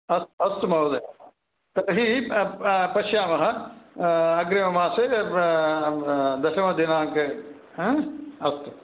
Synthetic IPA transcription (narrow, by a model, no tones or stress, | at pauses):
ɐst̪ɐst̪umɐɦd̪ɐj | t̪ɐɾɦi | pɐʃjaːmɐɦɐ | ɐɡɾemɐmãːse | d̪ɐʃɐmɐd̪enaːkẽ | ɐst̪u